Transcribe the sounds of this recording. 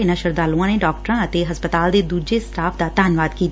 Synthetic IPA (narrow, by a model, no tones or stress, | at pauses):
ɪnãːʃəɾd̪aːlũãːneːɖɔːk̚ʈəɾãːət̪eːɦəspət̪aːld̪eːd̪uːd͡ʒeːsʈaːpʰd̪aːt̪aːnʋaːd̪kiːt̪